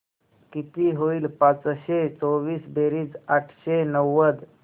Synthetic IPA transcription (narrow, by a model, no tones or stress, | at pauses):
kit̪iɦoiːlpãt͡sɕet͡soʋiːsbeɾiːd͡zaʈʰɕenəwːəd̪